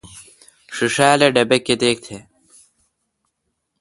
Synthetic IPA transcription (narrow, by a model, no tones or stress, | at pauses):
ʂiʂaːleɖɐbekːed̪eːk̚t̪ʰeː